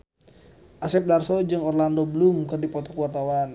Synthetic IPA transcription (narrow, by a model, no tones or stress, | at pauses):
ʔasɛp̚darsɔd͡ʒɨŋɔrlandobəlʊmkərdipɔt̪ɔkuwart̪awan